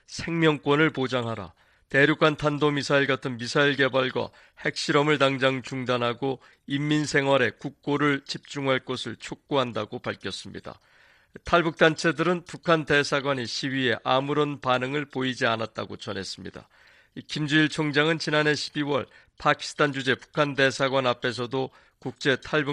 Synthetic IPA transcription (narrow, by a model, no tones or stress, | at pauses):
sʰe̞ŋmjʌŋk͈wʌnɯɭpod͡ʑaŋɦaɾa̰ | te̞ɾjukʰantʰandomisʰaiɭɡatʰɯnmisʰaiɭɡe̞baɭɡwa̰ | he̞k̚ɕ͈iɾʌmɯɭtaŋd͡ʑaŋt͡ɕuŋdanɦaɡo | imːinsʰe̞ŋɦwaɾe̞kuk̚k͈oɾɯɭt͡ɕʰip̚t͡ɕ͈uŋɦaɭk͈osʰɯɭt͡ɕʰok̚k͈oɦandaɡopaɭkʰjʌs͈ɯmɲḭda̰ | tʰaɭbuk̚t͈ant͡ɕʰe̞dɯɾɯnpukʰante̞sʰaɡwaɲiɕʰiwɥie̞ʔamuɾonpanɯŋɯɭpoid͡ʑianat̚t͈a̰ɡo̰t͡ɕʌne̞s͈ɯmɲḭda̰ | kimd͡ʑuiɭt͡ɕʰoŋd͡ʑaŋɯnt͡ɕinane̞ɕʰi̥biwʌ̰ɭ | pʰakʰi̥sʰɯ̥tʰand͡ʑud͡ʑe̞pu̥kʰande̞sʰaɡwanapʰe̞s̬ʰʌdo | kuk̚t͡ɕ͈e̞tʰaɭbu